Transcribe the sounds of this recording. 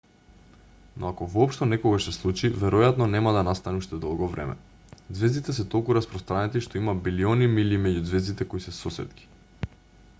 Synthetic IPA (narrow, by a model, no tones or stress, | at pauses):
noakovɔːpʃt̪onɛkɔɡaʃsɛslˠut͡ʃivɛɾɔjat̪nɔnɛmad̪anast̪anɛuʃt̪ɛd̪ɔlˠɡɔvɾʔɛ̰mɛ̰ | d̪zvɛzd̪it̪ɛsɛt̪olˠkuɾaspɾɔst̪ɾanɛt̪iʃt̪oimabilionimilimɛɟud̪zvɛzd̪it̪ɛkoisɛsɔsɛ̰t̪ki̥